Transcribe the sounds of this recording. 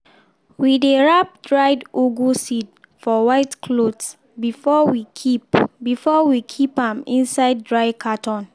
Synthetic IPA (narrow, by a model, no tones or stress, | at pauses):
wideɹap̚dɹaɪdoɡusid | fɔwaɪtkʰlods | bifɔwikʰipbifɔwikʰipãmĩnsaɪd̚dɹaɪkʰatʰɔ̃n